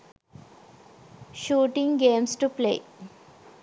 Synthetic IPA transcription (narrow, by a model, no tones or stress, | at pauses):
ʃuːʈĩŋɡeːmsʈuplḛː